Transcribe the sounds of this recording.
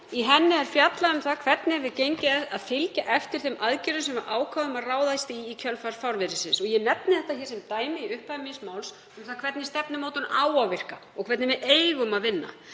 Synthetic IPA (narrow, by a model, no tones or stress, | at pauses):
iɦɛnːɪɛɾ̥fjat̪laʏmθaðkʰvɛt̪nɪɛvɪðcejɲcɪɛaðfɪlcaʔɛft̪ɪɾ̥θejmaðcɛɾʏsɛmaɾʔaːwkʰvaðʏmaðraːwðajst̪ɪːcʰœlfaɾfawɾvɪɾɪsɪnsɔɣjɛnɛp̚nɪθɛht̪açɛɾ̥sɛmt̪aːjmɪiʏhpamismaːwls | ʏmθaðkʰvɛt̪nɪ̥st̪ɛpnɪmoːwt̪ʏnaːwawvɪr̥kaɔkʰɛt̪nɪvɪeːjɣʏmaðvɪnːa̰